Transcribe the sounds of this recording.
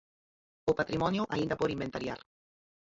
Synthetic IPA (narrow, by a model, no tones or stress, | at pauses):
opat̪ɾimɔnjuʔa̰ind̪apoɾimbent̪aɾja̰ɾ